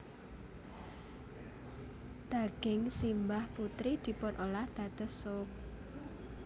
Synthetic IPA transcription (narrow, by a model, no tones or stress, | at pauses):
d̪̥aɡ̥ɪŋsimbahput̪ɾid̪̥i̤pʊnʔolahd̪̥a̤d̪̥ə̤sok̚